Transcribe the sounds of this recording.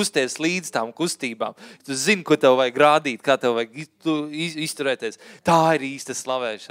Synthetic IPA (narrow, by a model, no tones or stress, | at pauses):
ust̪iɛslˠiːd̪z̥t̪aːmkust̪iːba̰ːmt̪uzinkut̪ɛwvajɡɾaːd̪iːt̪̚kaːt̪ɛwvajit̪uiist̪uɾɛːt̪iɛst̪aːiɾiːst̪ɐslˠaʋɛːʃɐ